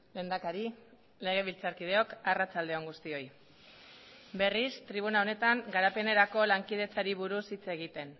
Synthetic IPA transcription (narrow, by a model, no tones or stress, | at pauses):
lend̪akaɾi | le̞ɣ̞e̞β̞ilt͡saɾkið̞e̞o̞karat͡sald̪e̞o̞ŋɡust̪io̞j | be̞rist̪ɾiβunao̞ne̞t̪aŋɡaɾape̞ne̞ɾako̞laŋkið̞e̞t͡saɾiβ̞uɾusit͡se̞ɣ̞it̪e̞n